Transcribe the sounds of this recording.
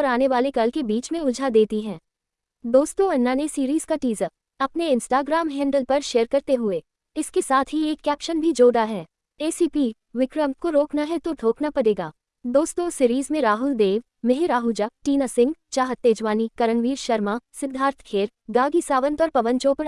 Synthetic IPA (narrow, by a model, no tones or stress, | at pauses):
ɔɾaːneʋaːlekɐlkebiːt͡ʃmẽʊd͡ʒʱad̪eːt̪iɦɛ̃ː | d̪oːst̪õɐnːaːnesiːɾiːz̥kaʈiːzə | ɐpneɪ̃nsʈaːɡɾaːmɦɛ̃ːɳɖəlpɐɾʃeːəɾkɐɾt̪eɦʊe | ɪskesaːt̪ʰɦieːkːɛːpʃənbʱid͡ʒoːɖaɦɛː | eːsiːpiː | ʋɪkɾəmkoɾoːknaɦɛt̪od̪ʱoːknapɐɽeːɡaː | d̪oːst̪osiːɾiːzmẽɾaːɦʊld̪eːʋ | mɪɦɪɾaːɦʊld͡ʒaʈiːnasɪ̃ŋɡt͡ʃaːɦət̪ːeːd͡ʒʋaːnikɐɾənʋiːɾʃɐɾmasɪd̪ʱːaːɾt̪ʰkʰeːɾ | ɡaːɡisaːʋə̃nt̪ɔːɾpɐʋə̃nt͡ʃoːpəɾ